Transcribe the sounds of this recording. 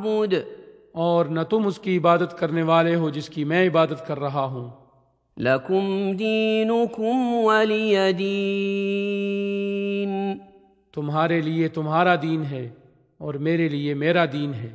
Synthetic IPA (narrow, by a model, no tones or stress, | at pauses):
buːd̪ | ɔːɾnɐt̪ʊmʊskiɪbaːd̪ət̪kɐɾneʋaːleɦod͡ʒɪskimɛ̃ːɪbaːd̪ət̪kɐɾːɐɦaɦũː | lɐkʊmd̪iːnʊkʊmwɐlijɐd̪i | n | t̪ʊmɦaːɾeliet̪ʊmɦaːɾad̪iːnɦɛː | ɔːɾmeːɾeliemeːɾad̪iːnɦɛː